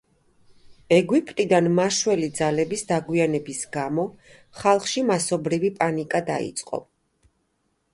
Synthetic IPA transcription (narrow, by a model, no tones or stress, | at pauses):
ɛɡwipʼt̪ʼid̪anmaʃwɛlid̪zalɛbisd̪aɡwianɛbisɡamɔ | χalˠχʃimasɔbɾivipʼanikʼad̪aḭt̪sʼqʼɔ̰